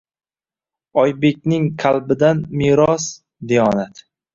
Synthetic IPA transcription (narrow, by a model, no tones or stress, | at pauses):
ɒjbe̞kʲnɪŋqʰalbɪd̪anmiɾɒs | d̪ejɒnat̪